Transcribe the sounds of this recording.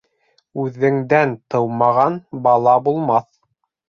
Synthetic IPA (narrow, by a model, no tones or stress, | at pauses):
ʉðːɘ̆ŋd̪ænt̪ɤwmɑʁɑnbɑlˠɑbulˠmɑθ